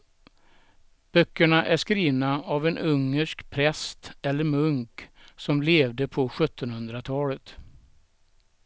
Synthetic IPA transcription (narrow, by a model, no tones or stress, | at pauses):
b̥œkːəɳaʔæʂkɾiːvnaavɛnʔɵŋːəʂkpʰɾɛst̪ɛlːəɾmɵŋksɔmleːvd̪əpʰɔɧɵt̪ʰːɔnhɵnd̪ɾat̪ʰɑːlət̪